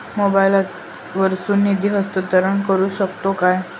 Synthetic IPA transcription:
mobailat̪ | ʋəɾsuːnːid̪ʱiɦəst̪ət̪əɾəɳkəɾuːɕək̚t̪okaj

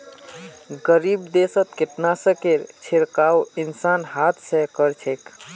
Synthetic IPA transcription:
ɡəɾibd̪esət̪keʈnasə̃keɾt͡ʃʰeɾkawinsanɦat̪ʰsə̃kəɾt͡ʃʰek

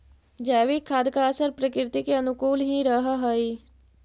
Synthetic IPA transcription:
d͡ʒɛːʋiːkʰːaːd̪kaːsəɾpɾəkɾɪt̪ikeɐnʊkuːlɦĩɾəɦaɦɐiː

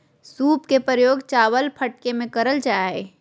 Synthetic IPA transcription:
suːpkepɾəjoːɡt͡ʃaːwəlpʰəʈkemẽkəɾəld͡ʒaːaɦɛː

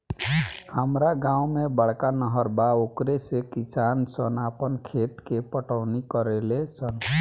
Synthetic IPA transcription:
həmɾaɡãumebəɽ̤kanəɦəɾbaokɾesekisansənapənkʰet̪kepəʈʰəʊnikəɾelesən

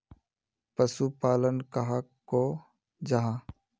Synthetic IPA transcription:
pəsupaːlənkaɦakː | o | d͡ʒaɦã

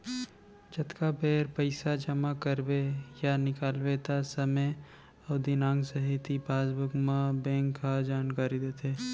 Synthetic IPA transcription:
d͡ʒɐt̪kabeːɾpəɪsad͡ʒəmakəɾwejanɪkaːlwet̪asɐme | ɐʊd̪inãːŋɡsəɦɪt̪ibaːzbəɡmabɛ̃ːŋkːad͡ʒaːnkaːɾid̪eːt̪ʰeː

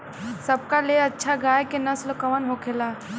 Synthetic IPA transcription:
sɐb̚kaleɐtːʃʰaɡaːjkenɐslkɐʋənɦokʰelaː

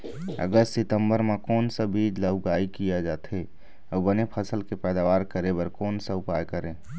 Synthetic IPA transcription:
ə̰ɡəst̪sɪt̪əmbəɾmekɔːnsəbiːd͡ʒləɦʊɡaːikijad͡ʒaːt̪ɦe | ɔbənepʰəsəlkepɛːd̪aʋaːɾkəɾẽbəɾkɔːnsəʊpaːjkəɾẽː

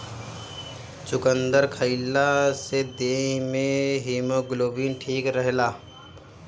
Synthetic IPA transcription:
t͡ʃʊkə̃nd̪əɾkʰəɪlːased̪eːɦmẽɦiːmoɡloːbinʈʰiːkɾəɦlaː

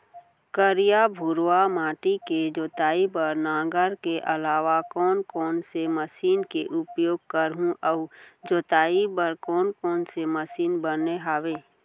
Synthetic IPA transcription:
kəɾijabʱʊɾwamaːʈiked͡ʒoːt̪aːibəɾnãːɡəɾkeʔɐlaːʋakɔːnkɔːnseməsiːnkeʔʊpjoːɡ̚kəɾɦũʔəʊd͡ʒoːt̪aːibəɾkɔːnkɔːnseməsiːnbəneɦaːʋeː

